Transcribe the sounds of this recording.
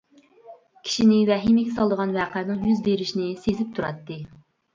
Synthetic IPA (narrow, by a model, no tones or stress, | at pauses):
kʲʰi̥ʃinɪvɛɦimɪɡʲɛsɑlˠd̪əʁɑnwæːqænɨŋjyzbeɾɪʃnɪsezɪp̚t̪ʰuɾɑ̰t̪ːɨ